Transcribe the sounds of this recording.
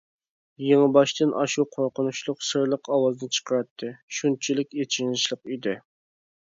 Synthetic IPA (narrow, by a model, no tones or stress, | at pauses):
jeŋɨbɑʃt̪ɨnʔɑ̰ʃuqʰoɾqʊnuʃlˠʊqsɨɾlˠəqʰɑwɑznɨt͡ʃʰə̥qʰəɾɑt̪ʰːɨʃunt͡ʃʰilɪkʲet͡ʃʰinɪʃlˠəqid̪ɪ